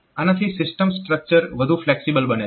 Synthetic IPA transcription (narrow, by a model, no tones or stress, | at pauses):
anat̪ʰiːsɪsʈəmsʈɾək̚t͡ɕəɾʋəd̪ʱuːflɛksibəlbəne